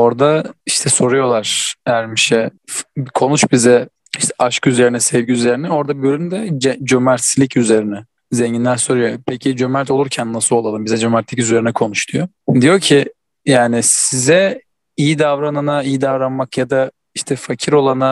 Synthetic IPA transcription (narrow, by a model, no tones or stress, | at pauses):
o̞ɾd̪aiʃt̪ʰɛso̞ɾujo̞lˠaɾ̥æɾmiʃɛfkʰo̞nut͡ʃbizɛ | iʃt̪ʰɛʔaʃkyze̞ɾinɛsɛvɟiyze̞ɾinɛo̞ɾd̪abøɾymd̪ɛd͡ʒɛd͡ʒømæɾt̪slʲicyze̞ɾinɛ | zeɲɟinʲæɾso̞ɾujopʰecʰid͡ʒømæɾt̪ʰo̞lˠuɾcʰænːasɯlˠo̞lˠalˠɯmbizɛd͡ʒømɛɾt̪lʲicyzyze̞ɾinɛkʰo̞nuʃt̪ʰujo | d̪ijo̞cʰi | jaːnɪsizɛ | ijid̪avɾananaijid̪avɾanmakjad̪a | iʃt̪ʰɛfacʰiɾo̞lˠana